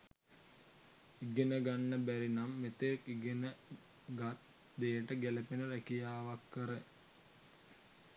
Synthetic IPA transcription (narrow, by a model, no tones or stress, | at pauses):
iɡenəɡanːəbæɾinamːet̪ekiɡenə | ɡat̪ | d̪ejəʈəɡelepinəɾækijaːʋakːəɾə